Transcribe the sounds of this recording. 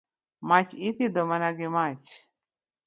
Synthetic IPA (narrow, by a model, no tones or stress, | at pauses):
mat͡ɕʰit̪ʰid̪ɔmanaɡimat͡ɕ